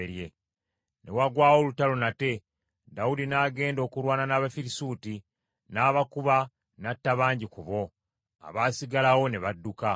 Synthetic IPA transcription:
eɾje | ne̞̰waɡwaːwo̞lutalonate̞ | dawudinaːɡe̞ːndo̞kuɾwaːnanaːβafiɾisuːti | naːβakuβa | natːaβaːɲɟikuβo̞ | a̰βaːsiɡalawo̞ne̞βadːuka

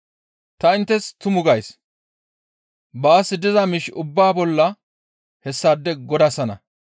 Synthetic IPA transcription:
t̪ɐɪnt̪ːɛst̪ʊmʊɡɐjs | baːsːɪd̪ɪzɐmɪʃʊbːaːbɔlːɐ | hɛsːad̪ːɛɡɔd̪ɐsɐnɐ̰

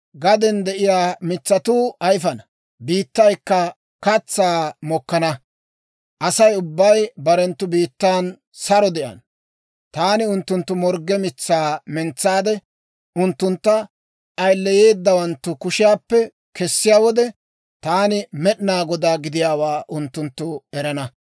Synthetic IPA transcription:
ɡɐd̪ɛnd̪ɛʔɪjaːmɪt͡sːɐt̪uːɐjfɐnɐ | biːt̪ːɐjkːɐ | kɐt͡sːaːmɔkːɐnɐ | ʔɐsɐjʊbːɐjbɐɾɛnt̪ːʊbiːt̪ːaːn | sɐɾɔd̪ɛʔɐ̰n | t̪aːnɪʊnt̪ːʊnt̪ːʊmɔɾɡɛmɪt͡sːaːmɛnt͡sːaːd̪ɛ | ʊnt̪ːʊnt̪ːɐ | ʔɐjlːɛje̞ːd̪ːɐwɐnt̪ːʊkʊʃɪjaːpːɛ | kɛsːɪjaːwɔd̪ɛ | t̪aːnɪmɛɗnaːɡɔd̪aːɡɪd̪ɪjaːwaːʔʊnt̪ːʊnt̪ːʊɛɾɐnɐ

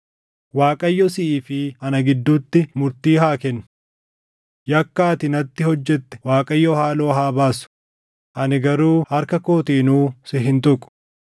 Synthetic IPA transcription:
waːkʼɐjːɔsɪʔiːfɪɐnɐɡɪd̪ːuːt̪ːɪmʊɾt̪iːɦaːkɛnːʊ̥ | jɐkːaːt̪ɪnɐt̪ːɪhɔd͡ʒːɛt̪ːɛ̥waːkʼɐjːɔhaːlo̞ːɦaːbaːsʊ̥ | ʔɐnɪɡɐɾuːhɐɾkɐkoːt̪iːnuːsɪɦɪnt̪ʊkʼːʊ̥

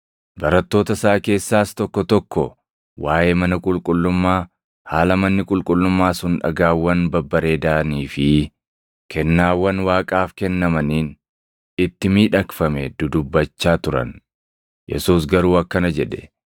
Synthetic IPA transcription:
bɐɾɐt̪ːo̞ːt̪ɐsaːke̞ːsːaːst̪ɔkːɔt̪ɔkːɔ | waːjʔeːmɐnɐkʼʊlkʼʊlːʊmːaː | haːlɐmɐnːɪkʼʊlkʼʊlːʊmːaːsʊnᶑɐ̰ɡaːwːɐnbɐbːɐɾe̞ːd̪aːniːfɪ | kʰɛnːaːwːɐnwaːkʼaːfkɛnːɐmɐniːn | ɪt̪ːɪmiːᶑɐkfɐmɛd̪ʊd̪ʊbːɐt͡ʃːaːt̪ʊɾɐ̰n | jʔɛ̰suːs̬ɡɐɾuːɐkːɐnɐd͡ʒɛᶑɛ̥

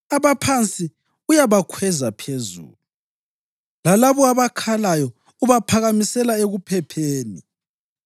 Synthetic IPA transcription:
aβapʰant͡sʼi | ujaβakʰwɛzapʰezṵːlu | lalaβɔaβakʰalajɔ | uβapʰaɣamisɛlaeɣupʰɛpʰeːni

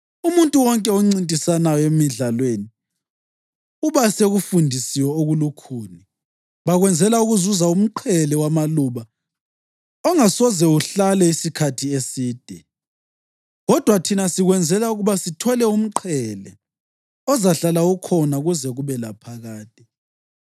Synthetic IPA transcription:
umuntʼuwɔŋkʼɛoŋ͡ǀintʼisanajɔemiɮalweːni | uβaseɣufundʱisiwɛɔoɣulukʰuːni | βaɣwɛnd͡zʱɛlauɣuzuzaum̩ǃʰɛlɛwamaluːβa | ɔŋasɔzɛuɬalɛisikʰatʰiesiːd̥ʱɛ | ɣɔd̥ʱwatʰinasiɣwɛnd͡zʱɛlauɣuβasitʰɔlɛum̩ǃʰɛlɛ | ɔzaɬalaukʰɔnaɣuzɛɣuβɛlapʰaɣaːtʼi

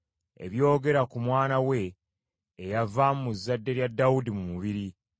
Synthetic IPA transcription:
e̞̰βjo̞ːɡe̞ɾakumwaːnawe̞ː | javammuzːadːe̞ɾjadːawudimumuβiɾi

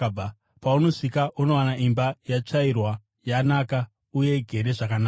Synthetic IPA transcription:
a | pauno̞sikaʔuno̞wanaʔimbajat͡ʂairwa | janaka | uje̞ɡʱe̞ɾe̞ʐakana

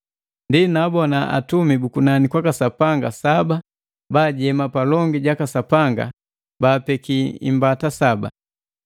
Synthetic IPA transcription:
ndinabɔnaa̰tumibukunanikwakasapaŋɡasaba | baːɟɛmapalɔŋɡiɟakasapaŋɡa̰ | baːpɛkiḭmbatasaba̰

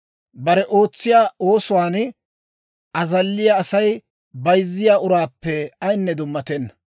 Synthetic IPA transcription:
bɐɾɛʔo̞ːt͡sːɪjaːo̞ːsʊwaːn | ʔɐzɐlːɪjaːsɐj | bɐjzːɪjaːʔʊɾaːpːɛɐjnːɛd̪ʊmːɐt̪ɛnːɐ̥

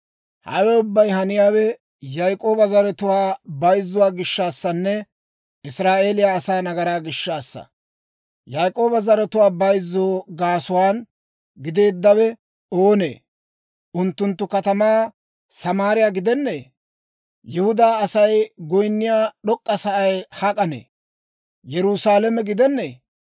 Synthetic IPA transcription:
hɐ̰wɛʊbːɐjɦɐnɪjaːwɛ | jɐjkʼo̞ːbɐzɐɾɛt̪ʊwaːbɐjzːʊwaːɡɪʃːaːsːɐnːɛ | ʔɪsɾaːʔe̞ːlɪjaːsaːnɐɡɐɾaːɡɪʃːaːsːɐ̰ | jajkʼo̞ːbɐzɐɾɛt̪ʊwaːbɐjzːoːɡaːsʊwaːn | ɡɪd̪e̞ːd̪ːɐwɛ | oːnḛː | ʔʊnt̪ːʊnt̪ːʊkɐt̪ɐmaː | sɐmaːɾɪjaːɡɪd̪ɛnːeː | jɪhʊd̪aːɐsɐjɡɔjnːɪjaːɗɔkʼːɐsɐʔɐjhɐkʼɐnḛː | jɛɾʊsaːlɛmɛɡɪd̪ɛnːeː

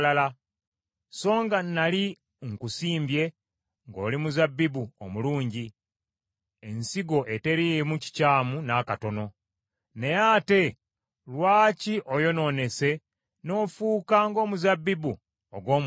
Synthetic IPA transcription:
lala | so̞ːŋɡanːali | ŋkusiːmbje̞ | ŋɡo̞̰ːlimuzabːibuo̰muluːɲɟi | e̞nsiɡo̞ʔe̞te̞ɾimuci̥caːmunakato̞no̞ | ne̞jaːte̞ | lwaːciʔojo̞no̞ne̞se̞ | no̞ːfuːkaŋɡo̞ːmuzabːibu | oɡwo̞ːm

